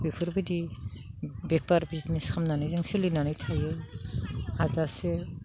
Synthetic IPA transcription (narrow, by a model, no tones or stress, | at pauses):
bikʰuɾbɯdi | bepaɾbizneskʰamnanajzaŋselinanajtʰajɯ | azase